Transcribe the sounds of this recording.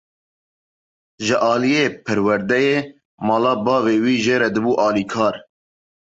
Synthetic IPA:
ʒɪʔɑːlijeːpʰɨɾwɛɾd̪ɛjeː | mɑːlɑːbɑːveːwiːʒeːɾɛd̪ɨbuːʔɑːliːkʰɑːɾ

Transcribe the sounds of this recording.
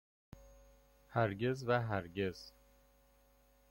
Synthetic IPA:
hæɾɟe̞zvæɦæɾɟe̞z̥

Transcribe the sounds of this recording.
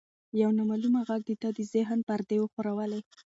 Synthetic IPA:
jawnamalumaɣaɡ̚d̪et̪ɑd̪əzɪɦnpaɾd̪ewoxoɾawəle

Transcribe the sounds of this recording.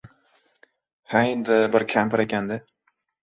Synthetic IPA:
haɪnd̪ɪbɪɾkʲʰampɾekʲand̪ɪ

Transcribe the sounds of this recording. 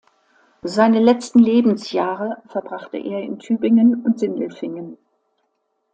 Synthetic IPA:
zaɪnəlɛt͡stn̩leːbm̩sjaːʁəfɛɐbʁaχtə̰ʔḛːɐɪ̰ntʰyːbɪŋənʊntz̥ɪndl̩fɪŋən

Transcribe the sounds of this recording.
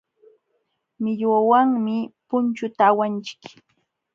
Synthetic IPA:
mɪʎwawaŋmɪpʊnt͡ʃʊt̪aːwant͡ʃɪ̥k

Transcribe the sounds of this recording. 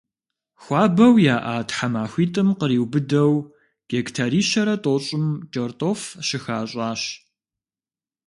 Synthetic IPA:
xʷɑːbɐwjaːʔaːtħamaːxʷiːtʼɨmqəɾiːwbɨdɐw | ɡ̥ektʰaɾiːʃɐɾɐtʼoːɕʼɪmd͡ʒʼɐrtʼoːfʃɪxaːɕʷʼaːɕ

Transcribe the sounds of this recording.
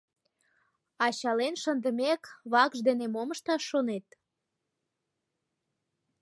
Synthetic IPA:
ɑɕɑlenʃənd̪əmekβɑkʒd̪enemoməʃt̪ɑʃːonet̪̚

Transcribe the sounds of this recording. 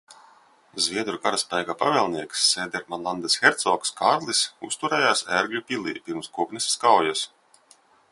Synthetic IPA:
zvʲiɛd̪ɾukaɾaspʲɛjɡaːpavʲɛːlˠniɛksːeːd̪ɛɾmanlˠand̪ɛsxʲɛɾt̪sɔːkskʰaɾlˠisṵst̪uɾɛːjaːsæɾɡlʲupʲilʲˠḭːpʲiɾmskuɔknisskawjas

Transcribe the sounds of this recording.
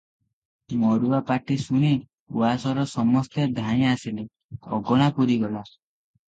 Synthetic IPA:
mɔɽuapaʈisuɽ̃i | uwasɔɾɔsɔmɔst̪ed̪ʱaj̃asile | ɔ̰ɡɔɽ̃apuɾiɡɔla

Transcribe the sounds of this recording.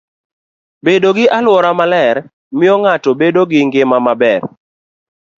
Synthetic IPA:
bedoɡɪʔalwɔɾamalɛɾ | mɪɔŋatɔbedoɡɪŋɡɪmamabɛr

